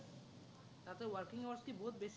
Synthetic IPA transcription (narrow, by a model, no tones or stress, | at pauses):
t̪at̪ewaɾkiŋoɾsʈibot̪̚beʃ